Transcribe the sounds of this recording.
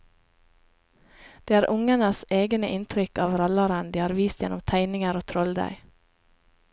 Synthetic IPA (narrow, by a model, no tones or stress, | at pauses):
d̪̥eːæːɾʔʊŋənəseːɡənəʔɪnt̪ʰɾʏkɑːʋɾɑlɑɾənd̪iːhɑːɾʋiːst̪jɛnʊmt̪ʰæɪnɪŋəɾoːt̪ʰɾɔld̪æ̰ɪ